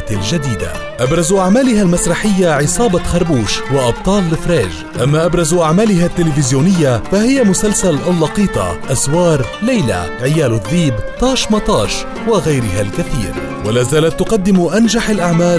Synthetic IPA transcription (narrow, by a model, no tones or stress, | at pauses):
t̪lʒad̪iːd̪a̰ | ʔabɾˤɑzʔaʕmaːlɪɦalmasɾˤɑħɪjːaʕɪsˤɑːbɑxɑɾˤbuːʃwɪʔɑb̚t̪ˤɑːlːɪfɾeːʒ | ʔamːaʔabɾˤɑzʔaʕmaːlɪɦat̪ːɪlɪfɪzjuːnɪjːafahɪjːamʊsalsalʔawlːɑqiːt̪ˤɑ̰ʔaswɑːɾˤlajla̰ | ʕɪjaːlɪðːiːbt̪ˤɑːʃmɑt̪ˤɑːʃ | wɪɣajɾɪɦalkaθḭːɾ | walaːzaːlat̪ːʊqɑd̪ːɪmʔanʒaħalʔaʕmaːl